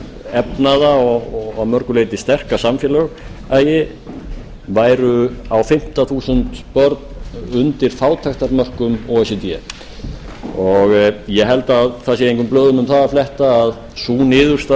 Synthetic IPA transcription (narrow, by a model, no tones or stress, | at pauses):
ɛpnaðaɔɣɣamœɾkʏlejt̪ɪst̪ɛr̥kasamfjɛlœɣaːjɪ | vaːjɾʏawfɪm̥t̪aθuːsʏnt̪pœɾt̪nʏnt̪ɪɾ̥faːwt̪ʰaxt̪aɾmœr̥kʏmɔɛsɛt̪jɛ | ɔɣjɛɦɛlt̪aːðθas̬jɛɾejŋkʏmplœːðʏmʏmθaðaflɛht̪aːð | suːnɪːðʏɾ̥st̪a